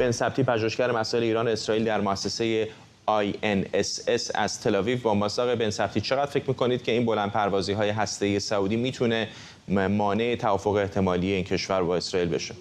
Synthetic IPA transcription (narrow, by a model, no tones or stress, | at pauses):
b̥e̞nsæb̚t̪iːpʰæʒoheʃcæɾe̞mæsɔːʔeleiːɾɒːneesɾɒːiːld̪æɾmoæsːe̞se̞je | ɒjenesesæ̰z̥t̪ʰe̞lɒːvivbɒːmɒsɒːɣebe̞nsæb̥t̪ʰiːt͡ʃʰe̞ɣæd̪̥fe̞cʰɾmiːkʰo̞niːd̪̚cʰe̞iːnbo̞lænd̪̚pʰæɾvɒːziːɦɒːje̞ɦæst̪e̞ije̞sæuːd̪imiːt̪ʰune̞ | mɒːne̞ʔet̪ʰævɒːfoɣeːht̪ʰe̞mɒːlije̞iːncʰe̞ʃvæɾbɒːe̞sɾɒːiːlbe̞̰ʃe